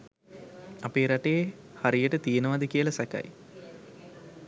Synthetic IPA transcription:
apeːɾaʈeje | haɾijəʈət̪ijenəʋad̪əkijəlɐsæka̰j

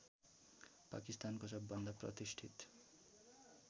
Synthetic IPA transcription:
pa̰kist̪ankosʌbːʌnd̪ʱʌprʌ̰t̪isʈʰit̪

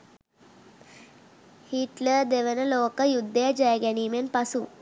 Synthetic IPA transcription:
hiːʈləd̪eʋənəloːkəjud̪ʱːed͡ʑajɡaniːmenpɐsuː

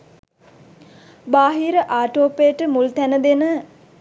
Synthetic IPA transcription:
baːɦiɾəʔaːʈoːpejəʈəmult̪ænəd̪enə

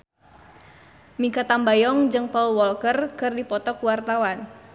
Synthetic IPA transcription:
mikat̪ambajɔŋd͡ʒɨŋpɔlwɔlkərkɨrdipɔt̪ɔkuwart̪awan

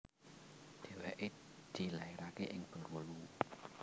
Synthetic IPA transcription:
d̪̥e̤weʔed̪̥i̤laiɾakeʔɪŋb̥ə̤ɾɾolu

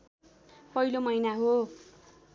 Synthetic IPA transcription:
pʌilomʌjnaɦo

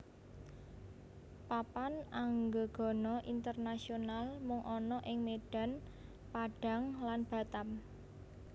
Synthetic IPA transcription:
papanaŋɡoɡ̥ɔ̤nɔʔint̪ərnasionalmʊŋʔɔnɔʔɪŋmeɖ̥a̤n | paɖ̥a̤ŋlanb̥a̤t̪am

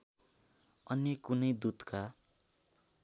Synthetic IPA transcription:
ʌnjʌkunʌjd̪ud̪kʰa

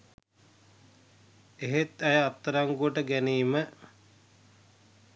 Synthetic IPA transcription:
eɦet̪æjəat̪ːəɾaŋɡuəʈəɡæniːmə

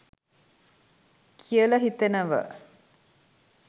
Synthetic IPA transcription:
kʰijəlɐɦit̪enəʋə̰

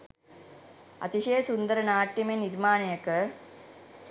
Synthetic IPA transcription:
ɐ̰t̪iɕeːɐsund̪ɐɾɐnaːʈjɐmeniɾmaːnɐjɐkːə

